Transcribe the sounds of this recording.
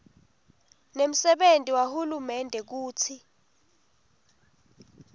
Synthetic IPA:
nem̩sɛɓentʼiwahulumɛndʱɛk̬uːt͡sʰi

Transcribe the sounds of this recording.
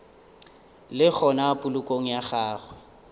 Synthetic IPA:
lɪk͡xʰɔnapʼʊlʊkʼoŋ̩jaχaːχwɛ

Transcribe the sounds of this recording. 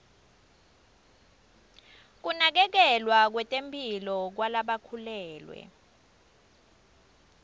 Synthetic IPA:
k̬unak̬ɛk̬ɛlwak̬wɛtʼempʼilɔk̬walaɓakʰulɛːlwɛ̰

